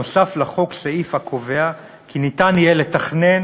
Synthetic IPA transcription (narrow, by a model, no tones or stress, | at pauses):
osaflaχo̞kseifakʰo̞ve̞a | kʰinitanijele̞taχne̞n